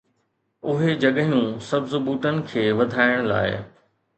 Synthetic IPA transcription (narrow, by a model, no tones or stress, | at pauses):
ʊɦed͡ʑɐɠəɦijũsɐbzʊbuːʈənɪ̆kʰeːʋɐd̪ʱaːɪɽ̃la̰ːɪ̰